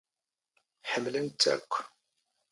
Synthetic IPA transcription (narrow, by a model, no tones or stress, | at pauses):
ħəmːlənt͡s̪ːæ̰kʷː